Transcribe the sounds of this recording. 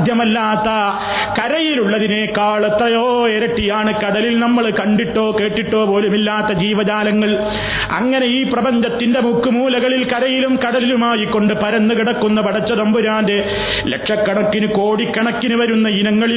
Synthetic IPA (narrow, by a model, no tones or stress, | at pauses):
d̪ʱjɐmɐlːaːt̪ːɐ | kɐɾɐjiluɭːɐðine̞ːkaːɭɐt̪rɐjoːeɾɐʈːijaːɳɨkɐɽɐlilnɐmːɐɭkɐɳɖiʈːo̞ːke̞ːʈːiʈːo̞ːpo̞ːlumilːaːt̪ːɐd͡ʑiːʋɐd͡ʑaːlɐŋːɐɭ | ɐ̰ŋːɐne̞iːprɐbɐɲd͡ʑɐt̪ːindemukːumuːlɐɣɐɭilkɐɾɐjilumkɐɽɐlilumaːjikːo̞ɳɖɨpɐɾɐnːukiɽɐkːunːɐpɐɽɐt͡ɕːɐðɐmbuɾaːnde̞ | lekʂɐkːɐɳɐkːinuko̞ːɽikːɐɳɐkːinuʋɐɾunːɐinɐŋːɐɭi